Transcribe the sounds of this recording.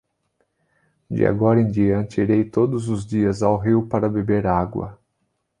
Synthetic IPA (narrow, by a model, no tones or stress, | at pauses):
d͡ʒɪ̰a̰ɡɔɾɐẽd͡ʒiɐ̃nt͡ʃɪiɾejt̪od̪ʊzʊzd͡ʒiɐzawɦiwpaɾɐbebeɾaɡwɐ̰